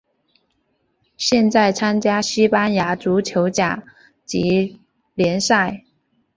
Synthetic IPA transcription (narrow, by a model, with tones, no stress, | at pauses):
ɕjɛ˥˧nt͡sa˥˩ɪt͡sʰa˥nt͡ɕja˥ɕi˥pa˥nja˧˥ʈ͡ʂu˧˥t͡ɕʰjo˧˥ʊt͡ɕja̰˨˩˦ | t͡ɕi˧˥ | ljɛ˧˥nsa˥˩ɪ